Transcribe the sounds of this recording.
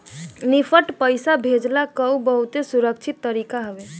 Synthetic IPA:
nipʰəʈpəjsabʱed͡ʒlakəwbəɦut̪esuɾəkt͡ʃʰit̪ːəɾikaɦəbe

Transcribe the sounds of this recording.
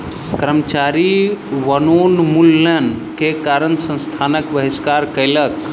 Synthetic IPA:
kɾəmət͡ʃaɾiʋənonmulːən | kekaɾənsə̃nst̪ʰanəkbəɦiskaɾkəjlək

